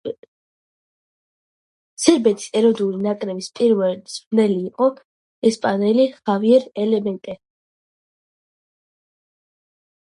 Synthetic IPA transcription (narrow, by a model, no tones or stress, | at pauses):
sɛɾbɛt̪ʰʼi̥sɛɾɔd̪ulinakʼɾɛbispʼiɾvɛlid̪z̥ɾnɛliːqʼɔ | ɛspʼanɛliχaviɛɾɛlɛmɛnt̪ʼɛ